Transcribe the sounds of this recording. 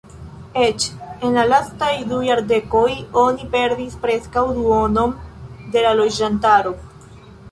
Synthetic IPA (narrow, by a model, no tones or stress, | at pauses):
e̞t͡ʃe̞nlalastajdujaɾde̞ko̞jo̞nipe̞ɾdispɾe̞skawduo̞no̞nde̞lalo̞d͡ʒantaɾo̞